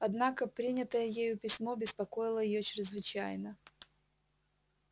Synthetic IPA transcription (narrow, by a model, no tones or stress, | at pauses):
ɐd̪nakəpɾʲinʲɪt̪əjəjejʊpʲɪsʲmo̞bʲɪspɐko̞jɪlˠəjɪjot͡ɕɾʲɪzvɨt͡ɕæjnə